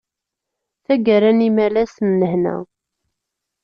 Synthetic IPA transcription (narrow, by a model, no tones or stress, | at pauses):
θæɡəɾænimælæsnːəhnæ̰